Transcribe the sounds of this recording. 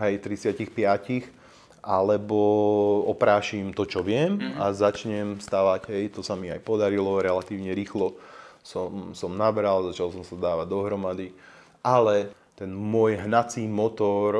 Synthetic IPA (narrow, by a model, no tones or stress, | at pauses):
ɦɛjt̪ɾit͡sɪacixpɪacix | ʔalɛbɔɔpɾaːʃimt̪ɔt͡ʃɔʋɪɛmazat͡ʃɲɛmst̪aʋaɟɦɛjt̪ɔsamiajpɔd̪aɾilɔɾɛlat̪iːʊɲɛɾiːxlɔsɔmsɔmnabɾalzat͡ʃalsɔmsad̪aːʋaɟd̪ɔɦɾɔmad̪i | ʔalɛt̪ɛnmʊɔjɦnat͡siːmɔt̪ɔɾ